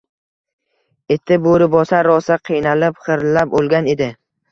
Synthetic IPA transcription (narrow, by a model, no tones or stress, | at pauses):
et̪ʰːɪboɾɪbɒsaɾɒsaqʰijnalɪpχɨɾlapolˠɡʲane̞d̪ɪ